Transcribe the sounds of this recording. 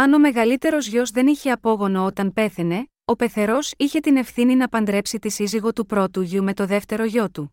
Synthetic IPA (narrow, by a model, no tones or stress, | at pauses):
ɐno̞me̞ɣɐlit̪e̞ɾo̞zʝo̞zðe̞niçe̞ɐpo̞ɣo̞noo̞t̪ɐnpe̞θe̞ne̞ | o̞pe̞θe̞ɾo̞siçe̞t̪ine̞fθininɐpɐnd̪ɾe̞psit̪isiziɣo̞t̪upɾo̞t̪uʝume̞t̪o̞ðe̞ft̪e̞ɾo̞ʝo̞t̪u